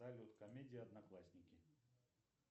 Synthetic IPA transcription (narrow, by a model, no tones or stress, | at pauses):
alʲot̪kɐmʲedʲɪjɐd̪nɐklˠasʲnʲɪkʲɪ